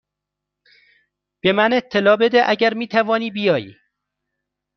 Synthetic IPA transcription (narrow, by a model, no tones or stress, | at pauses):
b̥emæne̞t̪ʰːelɒːbe̞d̪eʔæɟæɾmiːt̪ʰævɒːniːbijɒːjḭː